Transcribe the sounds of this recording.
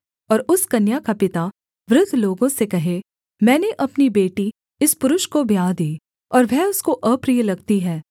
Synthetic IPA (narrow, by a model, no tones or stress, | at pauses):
ɔːɾʊskɐnjakapɪt̪a | ʋɾʊd̪ʱloːɡõsekɐɦe | mɛ̃ːneʔɐpnibeːʈi | ɪspʊɾʊʃkobjaːd̪iː | ɔːɾʋɛʊskoʔəːpɾiːjəlɐɡt̪iɦɛː